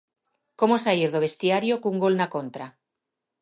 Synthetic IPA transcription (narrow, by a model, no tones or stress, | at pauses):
komosaiɾðoβ̞e̞st̪iaɾjokuŋɡo̞lnako̞nt̪ɾa